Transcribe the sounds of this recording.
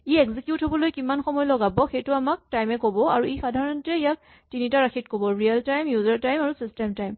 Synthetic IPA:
iɛkzikjutɦobɔlojkimanxɔmɔjlɔɡabɔxejtʊamak̚tajmɛkobɔaɹuexadʱaɹɔntɛijak̚ | tinitaɹaxʰitkobɔɹialtajmjuzaɹtajmaɹusistajmtajm

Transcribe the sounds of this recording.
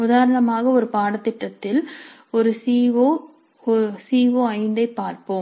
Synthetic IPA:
ʊðaːɾɐɳɐmaːɣɐɔɾɯpaːɽɐt̪ːɪʈːɐt̪ːɪl | ɔɾɯsiːʋoː | siːʋoːɐɪnd̪ɐɪpːaːɾpoːm

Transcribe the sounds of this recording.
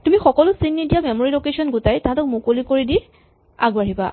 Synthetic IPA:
tumixɔkɔlʊsinːidijamɛmoɹilokesɔnɡutajtaatɔk̚mʊkolikoɹidi | a̰ɡbaɦiba̰

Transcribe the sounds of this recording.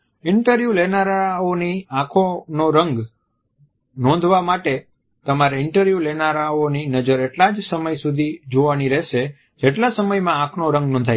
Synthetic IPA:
ɪɳʈəɾʋjulenaɾaoniãkʰonoɾəŋɡ | nɔ̃nd̪ʱʋamaʈe | t̪əmaɾeɪɳʈəɾʋjulenaɾaoninəd͡ʒəɾeʈlad͡ʒsəməjsud̪ʱid͡ʒoʋaniɾɛɦʃe | d͡ʒeʈlasəməjmããkʰnoɾə̃ŋɡnɔ̃nd̪ʱaj

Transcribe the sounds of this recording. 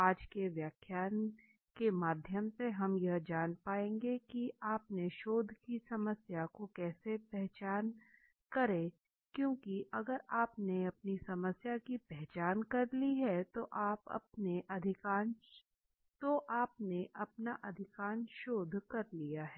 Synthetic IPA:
aːd͡ʒkeʋjaːkʰjaːn | kemaːd̪ʱjəmseɦɐmjɐɦd͡ʒaːnpaːẽːŋɡekiaːpneʃoːd̪ʱkisɐməsjakokɛːsepɛɦt͡ʃaːn | kɐɾẽ | kjõːkiʔɐɡəɾaːpneɐpnisɐməsjakipɛɦt͡ʃaːnkɐɾliɦɛt̪oʔaːpɐ̰pneʔɐd̪ʱɪkaːn | t̪oʔaːp̚neʔɐpnaʔɐd̪ʱɪkaːnʃoːd̪ʱkɐɾlijaɦɛː

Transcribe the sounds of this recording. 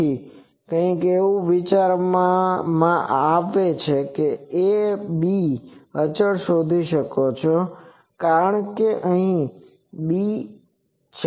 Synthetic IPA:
i | kə̃ĩkeʋũʋit͡ʃaɾmãmãʔaʋet͡ʃʰekeebiət͡ʃəɭʃod̪ʱiʃəkot͡ʃʰo | kaɾəɳkeʔəɦĩ | bi | t͡ʃʰ

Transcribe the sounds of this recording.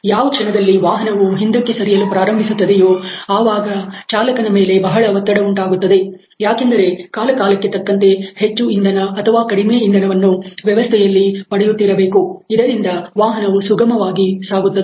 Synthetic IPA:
jaːʋɐkʂɐnɐd̪ɐlːiʋaːɦɐnɐʋuɦind̪ɐkːe̞sɐɾijɐlupɾaːɾɐmbʱisut̪ːɐd̪ejoːaːʋaːɡɐt͡ʃaːlɐkɐnɐme̞ːle̞bɐɦɐɭɐʋɐt̪ːɐɽɐuɳʈaːɡut̪ːɐd̪e̞ | jaːkend̪ɐɾe̞kaːlɐkaːlɐkːe̞t̪ɐkːɐnt̪e̞het͡ʃːuind̪ɐnɐːt̪ʰɐʋaːkɐɽimeːind̪ɐnɐʋɐnːuʋjɛʋɐst̪ʰɛjɐlːipɐɽɛjut̪ːiɾɐbeːkuid̪ɐɾind̪ɐʋaːɦɐnɐʋusuɡɐmɐʋaːɡisaːɡut̪ːɐd̪e

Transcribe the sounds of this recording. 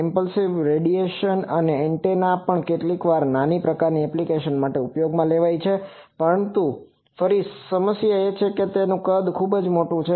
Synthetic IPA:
ɪmpəlsiʋɾeɖieʃənəneːɳʈenapəɳkeʈlikʋaɾnanipɾəkaɾniɛplikeʃənmaʈeupjoɡmãleʋajt͡ʃʰe | pəɾəɳnt̪u | fəɾisəməsjaet͡ʃʰeket̪enũkəd̪kʰubd͡ʒmoʈũt͡ʃʰe

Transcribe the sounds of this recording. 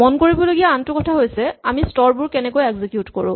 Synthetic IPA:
mɔnkoɹibɔloɡijaantʊkɔtʰaɦojsɛamistɔɹbʊɹkɛnɛkojɛkzikjutkɔɹʊ̰̃

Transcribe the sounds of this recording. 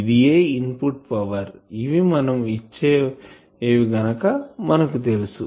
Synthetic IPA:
id̪ijeːinpuʈ̚pɐʋɐɾiʋimɐnɐmit͡ʃːeː | eːʋiɡɐnɐkɐmɐnɐkut̪e̞lusu

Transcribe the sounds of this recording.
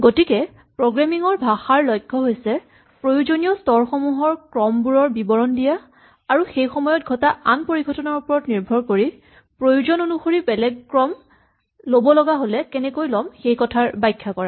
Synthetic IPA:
ɡotikɛ | pɹoɡɹamiŋɔɹbʱaxaɹlɔjkʰːɔɦojsɛ | pɹojuzonijɔstɔɹxɔmuɦɔɹkɹɔmbuɹɔɹbibɔɹɔndija | aɹuxejxɔmɔjɔt̚ɡʱɔtaʔanpoɹiɡʱɔtɔnaɹupɔɹɔtniɹbʱɔɹkoɹi | pɹojuzɔnonuxoɹibɛlɛɡkɹɔm | lobɔlɔɡaɦolɛkɛnɛkojlɔmxejkɔtʰaɹbajkʰːakɔɹa

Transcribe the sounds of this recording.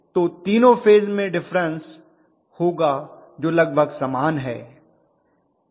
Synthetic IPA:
t̪oːt̪iːnõfeːzmẽɖɪfɾə̃ns | hoːɡa | d͡ʒoːlɐɡ̚bʱəɡsaːmaːnɦɛ̰ː

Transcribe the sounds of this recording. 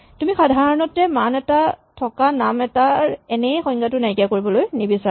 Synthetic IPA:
tumixadʱaɹɔnɔtɛmanɛtatʰɔkanamɛtaɹɛnɛjxɔj̃ŋɡatʊnajkjakoɹibɔlojnibisa

